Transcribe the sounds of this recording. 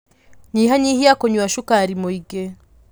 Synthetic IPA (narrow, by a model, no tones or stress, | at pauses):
ɲiɦaɲihijakoɲuwaʃukaɾimuiɡe